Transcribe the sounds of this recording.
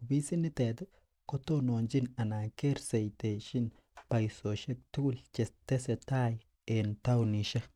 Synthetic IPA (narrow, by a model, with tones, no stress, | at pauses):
bi˦si˦ni˦t̪e˨t̪e˦ | ko˦to˦no˨nd͡ʒi˦na˨na˨ke˦ɾse˨jte˨ʃi˦n | pa˨jso˨ʃe˦k̚tu˦lt͡ʃe˨te˦se˨ta˦j | e˨nta˦wni˨ʃa˦